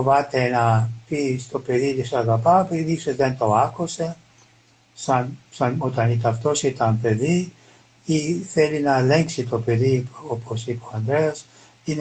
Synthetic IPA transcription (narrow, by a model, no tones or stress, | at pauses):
ovɐt̪enɐpist̪o̞pe̞ðit̪isɐɣɐpɐpeðisozðent̪o̞ɐkuse̞ | sɐnsɐno̞t̪ɐnit̪ɐft̪o̞sit̪ɐmpe̞ði | iθe̞linɐeleŋksit̪o̞pe̞ðiopʰosipoɐnd̪ɾeɐs | in